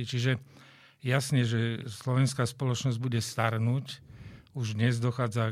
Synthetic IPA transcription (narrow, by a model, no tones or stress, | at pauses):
it͡ʃiʒɛ | jasɲɛʒɛslɔʋɛnskaːspɔlɔt͡ʃnɔzɟ̚buɟɛst̪aɾnucuʒd̪ɲɛzd̪ɔxaːd͡za